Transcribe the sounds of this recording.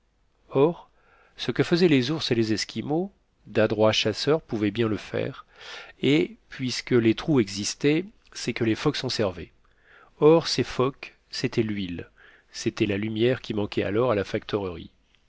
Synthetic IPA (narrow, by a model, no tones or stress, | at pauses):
ɔʁ | səkəfəzɛlezuʁselezɛskʲimo | d̪ad̪ʁwaʃasœʁpuvɛbjɛ̃ləfɛ̰ːʁepɥiskəlet̪χuɛɡzist̪ɛ | sɛkəlefɔksɔ̃sɛʁvḛ | ɔʁsefɔk | set̪ʰɛlɥil | set̪ɛlalymjɛʁkʲimɑ̃kʲɛa̰lɔʁalafak̚t̪ʰɔʁəʁḭ